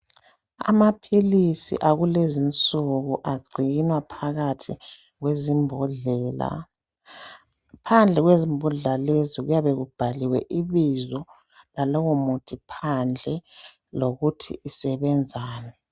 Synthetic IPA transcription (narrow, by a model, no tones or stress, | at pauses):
a̰mapʰilisḭʔaɣulezint͡sʼuɣuʔaɡ͡ǀʱinwapʰaɣatʰi | ɣwezimbɛla̰ | pʰand͡ɮʱɛɣwezimbʱuɮɛlaleziɣṵjaβeɣub̥ʱaliwɛ̰ʔiβizɔ | lalɔwɔmutʰʼipʰand͡ɮʱɛ | loɣutʰḭʔisɛβɛnd͡zʱaːnɛ